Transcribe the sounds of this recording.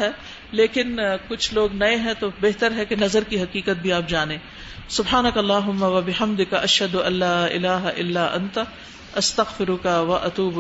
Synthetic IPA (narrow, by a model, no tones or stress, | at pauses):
ɦɛː | leːkɪnkʊt͡ʃʰloːɡnɐeɦɛ̃t̪obeɦt̪əɾɦɛkenɐzəɾkiɦɐqiːkət̪̚bʱiaːp̚d͡ʒaːnẽː | sʊbɦaːnɐkɐlːaːɦʊmːaʋɐbɪħɐmd̪ɪkʔɐʃhɐd̪ʊʔɐlːaːʔɪ̰laːɦʔɪ̰lːaːʔɐ̰̃nt̪ | ʔɐst̪ɐɣfɪɾʊkaʋɐʔɐt̪uːb